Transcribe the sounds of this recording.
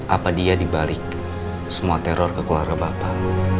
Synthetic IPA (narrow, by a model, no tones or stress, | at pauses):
ʔa̰padiadibalɪk̚ | səmuat̪ɛɾɔrkəkuaɾɡabapa